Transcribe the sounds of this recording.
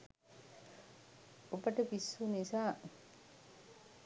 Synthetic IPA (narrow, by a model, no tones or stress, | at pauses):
obɐʈɐpisːunisaː